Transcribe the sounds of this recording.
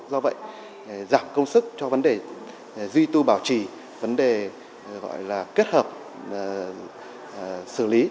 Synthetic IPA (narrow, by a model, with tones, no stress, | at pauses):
zɔ˧və̰˧˨j | zaː˨˩m̚kə˧wŋ͡msɨ˦˥k̚t͡ɕɔ˧və˨˦nɗe˨˩ | zwi˧t̪u˧ɓaː˧˩wt͡ɕi˧˩ | və˨˦nɗe˨˩ | ɣɔ̰˧˨jlaː˨˩ke˦˥t̚həː˨˩p̚ | sɨ˧˩li˨˦